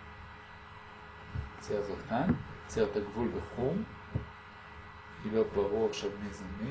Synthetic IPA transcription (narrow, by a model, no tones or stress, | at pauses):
t͡seazokt̪ant͡seʁt̪aɡvulveχum | ilobaʁuʁaχʃavmezani